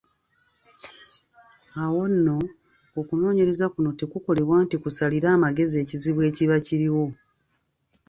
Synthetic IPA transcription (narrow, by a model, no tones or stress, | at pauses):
awo̞nːo̞ː | kuno̞ːɲe̞ɾe̞zakuno̞tekuko̞le̞βwaːntikusaliɾaːmaɡe̞zie̞ːciziβwe̞ːciβaciɾiwo̞